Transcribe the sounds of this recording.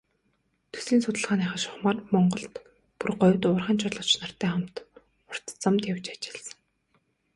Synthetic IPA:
t̪ʰɵ̥siːnsʊt̪ə̆ɮʁ̥aːnaːχə̆ʃʊ̥χmaːrmɔɴɢɞ̆ɬt̪ | purɢɔwʲt̪ʊːrχăːnt͡ɕʰʊɮɞ̆t͡ɕnar̥t̪æːχamt̪ | ʊr̥t̪t͡samt̪jawt͡ɕat͡ɕɪ̥̆ɮsə̥̆ŋ

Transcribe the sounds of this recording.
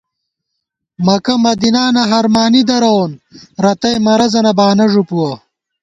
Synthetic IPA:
mɐkɐmɐd̪inaːnɐɦɐɾmaːnid̪ɐɾɐonɾɐt̪ɐjmɐɾɐzɐnɐbaːnɐʐupuwɐ

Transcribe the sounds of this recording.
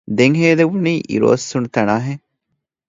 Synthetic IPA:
d̪eŋɦeːd̪eʋuniːʔḭɾo̰ːsːunut̪ɐnaːɦe

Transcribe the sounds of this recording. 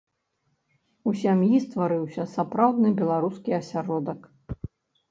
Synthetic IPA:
usʲamjist̪vaɾɨwsʲɐsapɾawd̪nɨbʲɛlˠaɾuskʲiɐsʲaɾɔd̪ɐk

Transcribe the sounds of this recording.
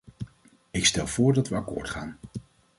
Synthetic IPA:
ɪkstɛlˠv̥ʊːɹdɑtʋəɑkʊ̰ːɹtχa̰ːn

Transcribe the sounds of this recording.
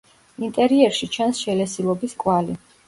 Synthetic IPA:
int̪ʼɛɾiɛɾʃit͡ʃʰansʃɛlɛsilˠɔbiskʼwali

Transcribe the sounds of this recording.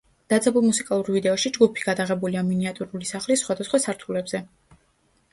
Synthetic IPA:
d̪̥at̪zɛbulˠmusikʼalˠuɾvid̪ɛɔʃid͡ʒɡupʰi̥ɡ̥ad̪aʁɛbuliaminiat̪ʼuɾulisaχlisːχwad̪asχwasaɾt̪ʰulɛbz̥ɛ

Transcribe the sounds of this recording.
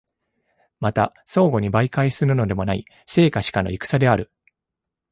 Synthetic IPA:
mat̪a | so̞ːɡo̞ɲ̟ibaikaisɨɾɯ̟no̞d̪e̞mo̞naḭ | se̞ːkaɕi̥kano̞̰ikɯ̥sad̪e̞aɾɯ̟

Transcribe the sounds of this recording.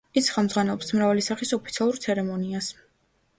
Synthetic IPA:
isχɛmd̪zʁwanɛlˠɔpsmɾavalisaχisɔpʰit̪sʰialˠuɾt̪sʰɛɾɛmɔnias

